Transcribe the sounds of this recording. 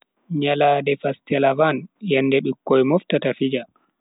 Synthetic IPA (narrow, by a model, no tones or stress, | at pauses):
ɲalaːdɛfastɛlavanjɛnːdɛɗikːɔjmɔftatafid͡ʒa